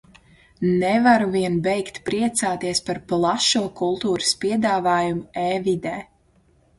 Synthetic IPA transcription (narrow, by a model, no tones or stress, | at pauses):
nɛvaɾuviɛnbɛjkt̪pɾiɛt̪saːt̪iɛspaɾplˠaʃuɔkulˠt̪uːɾɨspiɛd̪aːvaːjumuɛːvid̪ɛː